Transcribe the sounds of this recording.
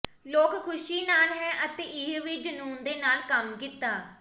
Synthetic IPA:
loːkkʰʊʃiːnaːlɦɛ̃ːʔət̪eːʔɪɦʋɪd͡ʒənuːnd̪eːnaːlkəmkit̪aː

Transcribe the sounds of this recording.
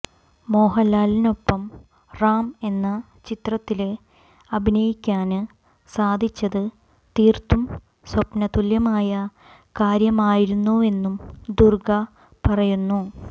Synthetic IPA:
mo̞ːɦɐlːaːlino̞pːɐm | raːme̞nːɐ | t͡ɕit̪rɐt̪ːile̞ | ɐbʱinɐjikʲːaːnɨ | saːd̪ʱit͡ɕːɐðɨ | t̪iːrt̪um | swɐpnɐt̪uljɐmaːjɐ | kaːɾjɐmaːjiɾunːue̞nːumd̪urɡɐ | pɐrɐjunːu

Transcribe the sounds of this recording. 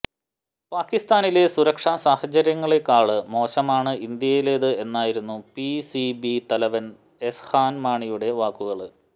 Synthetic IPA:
paːkːist̪aːnile̞suɾɐkʂaːsaːhɐd͡ʑɐɾjɐŋːɐɭe̞kːaːɭɨmo̞ːɕɐmaːɳɨʔind̪jɐjile̞ːðɨe̞nːaːjiɾunːupisibit̪ɐlɐʋɐn | e̞shaːnmaːɳijuɽe̞ʋaːkːuɣɐɭɨ

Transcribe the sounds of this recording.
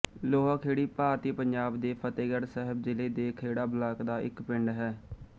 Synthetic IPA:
loːɦaːkʰeːɽiːpaːɾt̪iːpəɲd͡ʒaːbd̪eːpʰət̪eːɡəɾsɛɦəbzɪleːd̪eːkʰeːɽaːblaːkd̪aːʔɪ̰kpɪɳɖɦɛː

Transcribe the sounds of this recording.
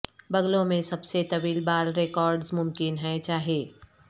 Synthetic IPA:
bɐɡlõmẽsɐbset̪ɐʋiːlbaːɾɾekɔːɾɖzmʊmkɪnɦɛ̃t͡ʃaːɦijeː

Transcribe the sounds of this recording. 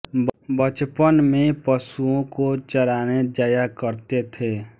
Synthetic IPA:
bət͡ʃpənmẽpəsuõkot͡ʃəɾaːned͡ʒaːjakəɾt̪et̪ʰeː

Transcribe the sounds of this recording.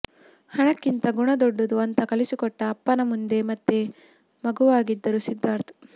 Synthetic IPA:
hɐɳɐkːint̪ɐɡuɳɐd̪ɔɖːud̪uɐnt̪ɐkɐlisikɔʈːɐːpːɐnɐmund̪e̞mɐt̪ːe | mɐɡuʋaːɡid̪ːɐɾusid̪ːaːɾt̪ʰ

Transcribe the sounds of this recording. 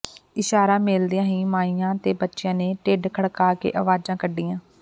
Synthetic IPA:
ɪʃaːɾãːmɪld̪iːãːɦĩːmaːijãːt̪eːbətːʃɪjãːneːʈeːɖkʰəɽkaːkḛːʔəʋaːd͡ʒãːkəɖːiːãː

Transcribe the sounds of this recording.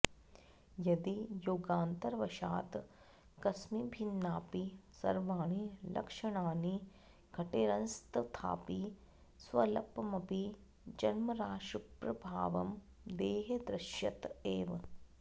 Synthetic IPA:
jɐd̪ijoːɡaːnt̪ɐɾʋɐʃa̰ːt̪ | kɐsmibʱinːaːpisɐ̰ɾʋaːɳ̃ilʔɐ̰kʂɐɽ̃aːni | ɡʱɐʈeːɾɐnst̪t̪ʰa̰ːpi | sʋɐlɐpːmɐpi | d͡ʒɐnmɐɾaːʃɾɐpɾɐbʱaːʋɐm | d̪eːɦed̪ɾɐʃjɐt̪eːʋ

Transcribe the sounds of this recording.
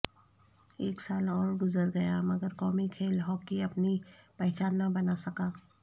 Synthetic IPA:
eːksaːlɔːɾɡʊzəɾɡɐjamɐɡəɾkɔːmikʰeːlɦɔːkːiɐpnipɛɦt͡ʃaːnːabɐnasɐkaː

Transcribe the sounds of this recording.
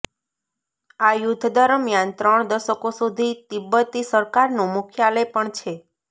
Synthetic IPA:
ajud̪ʱːd̪əɾəmjant̪ɾəɳd̪əʃəkosud̪ʱit̪ɪbːət̪ːisəɾkaɾnũmʊkʰjaləjpəɳt͡ʃʰe

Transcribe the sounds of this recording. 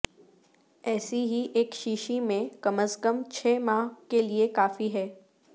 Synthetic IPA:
ɛːsiɦiʔeːkʃiːʃimẽkɐməskəmt͡ʃʰɛːmaːɦkeliekaːfiɦɛː

